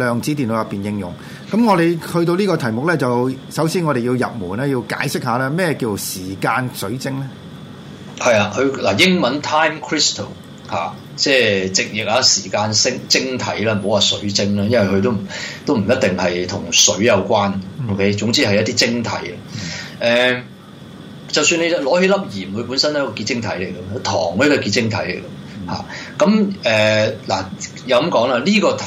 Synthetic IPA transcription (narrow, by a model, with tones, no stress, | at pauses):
lœː˨˧ŋt͡siː˨˥t̪̬iː˨nlo˨˧˥jɐ˨pːiː˨njɪ˧ŋjʊ̰˨˩ŋ | kɐ˨˥mŋɔː˨˧ɾe˨˧jhɵ˧ɥt̪̬o˧wliː˥kɔː˧t̪ʰɐ˨˩jmʊ˨k̚lɛː˥t͡sɐ˨wwsɐ˨˥wsiː˥nŋɔː˨˧e˨jiː˧wjɐ̰˨p̚muː˨˩naː˥ji˧wka̰ː˨˥jsɪ˥k̚ɦaː˨˧lɛː˥mɛː˥jɛ˧kiː˧t͡so˨˩wsiː˨˩kaː˧nsɵ˨˥ɥt͡sɪ˥ŋlɛ˥ | hɐ˨jaː˧kɵ˧ɥla˨˩jɪ˥ŋmɐ˨˥nt̪ʰaː˥jmkʰɹi˥st̪ʰo˨˩w | ha̰ː˨ | t͡sɛː˥˧t͡sɪ˨k̚jɪ˨k̚aː˧siː˨˩kaː˧nsɪ˥ŋt͡sɪ˥ŋt̪ʰɐ˨˥jlɛː˦m̩˨˩ho˨˥waː˨sɵ˨˥ɥt͡sɪ˥ŋlɐː˥jɐ˥nwɐ˨jkɵ˧t̪̬o˥wm̩˨˩t̪o˥wm̩˨˩jɐ˥t̚t̪ɪ˨ŋhɐ˨jt̪ʰʊ˨˩ŋsɵ˨˥ɥjɐ˨˧wkʷaː˥no˧wkʰe˥jt͡sʊ˨˥ŋt͡siː˥hɐ˨jɐ˥t̪i˥t͡sɪ˥ŋt̪ʰɐ̰˨˥jɐʔɛː˨ | t͡sɐ˨wsyː˧nle˨˧jlɔː˨˥he˨˥lɐ˥p̚jiː˨˩mwu˨˧˥puː˨˥nsɐ˥n˨˦˥kɔ˧kiː˧t̚t͡sɪ˥ŋt̪ʰɐ̰˨˥jle˨˩jɡɐ˧˨˥t̪ʰɔ̰ː˨˩ŋ˧˦˥kːɔ˧kiː˧t͡sɪ˥ŋt̪ʰɐ˨˥jle˨˩jɡɐ˧ | ha̰ː˨kɐ˨˥mɛː˨˩la̰˨˩ | jɐ˨˧wkɐ˨˥mkɔː˨˥ŋaː˧liː˥kɔː˧t̪ʰ